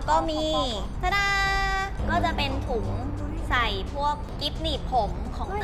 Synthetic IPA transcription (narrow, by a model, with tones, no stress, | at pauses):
kɔː˥˩miː˧ | a˥na˥˩kɔː˥˩t͡ɕa˨˩pe˧nt̪ʰu˨˩˦ŋ | sa˨˩jpʰu˥˩əkːi˦˥p̚niː˨˩t̚pʰo˨˩˦mkʰɔː˩˦ŋ